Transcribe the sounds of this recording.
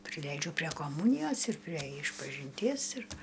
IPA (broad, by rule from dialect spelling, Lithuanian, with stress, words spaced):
pʲrʲɪˈlʲɛɪd͡ʒʲʊ pʲrʲiɛ koːˈmuːnʲɪjoːs ɪr pʲrʲiɛ ɪʃpɐʒʲɪnʲˈtʲiɛs ɪr